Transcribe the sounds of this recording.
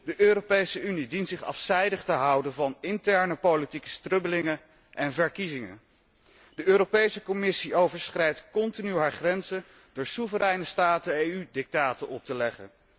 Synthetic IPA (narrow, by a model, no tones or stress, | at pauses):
dəʔøːropejsəynidintsɪχɑ̰fsɛjdəχtəɦɑwdənvɑnɪntɛɹnəpowlitikə̥strɵbəlɪŋən | ʔɛnvəɹkizɪŋə̰n | d̥əʔøːropejsəkomɪsiʔowvəɹsχrɛjtkɔntinyɦaːɹχrɛnzə | d̥ʊːɹsuvəɾɛjnəstaːtəejydɪk̚taːtənɔp̚təlɛχə̰n